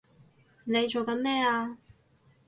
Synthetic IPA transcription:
ne˨˧jt͡ʃo˨wkɐ˨˥nmɛː˥aː˧

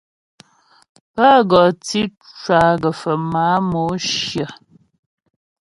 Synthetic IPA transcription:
pa˦ɡɔ˨ti˦ | t͡ʃwa˨ɡə˨fə˨ma˨˦mo˨˦ʃjə˨

